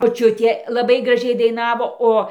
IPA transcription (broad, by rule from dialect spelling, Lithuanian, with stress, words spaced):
moːˈt͡ʃʲʊtʲeː lˠɐˈbɐɪ ɡrɐˈʒʲɛɪ dɐɪˈnɑːʋoː ˈoː